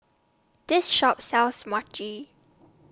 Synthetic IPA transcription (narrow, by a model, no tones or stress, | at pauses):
d̥ɪsʃɔp̚sɛlsmat͡ʃi